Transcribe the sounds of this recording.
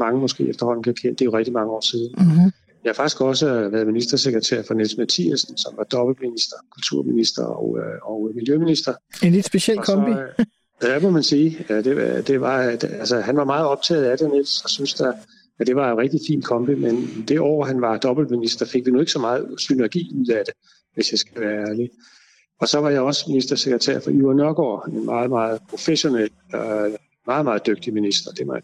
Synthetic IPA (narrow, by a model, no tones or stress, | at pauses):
mɑ̈ŋəmɒ̽sɡ̥e̝̰ːefd̥ɐhɒ̽n̰n̩kʰekʰen̰d̥ejoʁɛɡ̥̚d̥imɑ̈ŋəɒ̰ːsið̞ˠn̩ | ihɑfɑ̈ɡ̥i̥sɡ̥ɒ̽s̬əʋæːɐðˠminisd̥ɐseɡ̥ʁɐt͡sʰḛɐ̰fɒ̽nelsmæt͡sʰḭæsn̩sɒ̽mʋɑ̈d̥ɒ̽b̥l̩minisd̥ɐkʰult͡sʰuɐ̰minisd̥ɐ̰ɒ̰ʊɒʊmiljøminisd̥ɐenled̥sb̥esel̰kɒmbi | jdæmɔmænsiːd̥e̝d̥e̝ʋɑ̈d̥ælsəhænʋɑ̈mɑ̈ːð̞̩ˠɒ̽b̥̚t͡sʰɛ̰ːð̞̩ˠæd̥enelsɒsynsd̥æ | æd̥e̝ʋɑ̈enʁɛɡ̥̚d̥ifḭːnkʰɒ̽mb̥imend̥e̝ʔɒ̰ːɦænʋɑ̈d̥ɒ̽b̥l̩minisd̥ɐfe̝ɡ̥̚ʋinoe̝ɡ̥əsɒ̽mɑ̈ːð̞̩ˠsynæɐɡ̥ḭːuð̰ˠæd̥e̝ | ʋe̝sjɑ̈ɪsɡ̥æʋæːɐæːɐli | ɒ̽sɒ̽ʋɑ̈jɑ̈ɒ̽sminisd̥ɐseɡ̥ʁɐt͡sʰḛɐ̰fɒ̽yɐnœɐɡ̥ɒ̰ːenmʔɑ̈ːð̞̩ˠmɑ̈ːð̩ˠpʰʁo̝feɕo̝nel̰ɒ | mɑ̈ːð̞̩ˠmɑ̈ːð̞̩ˠd̥øɡ̥̚d̥iminisd̥ɐd̥e̝ʋɑ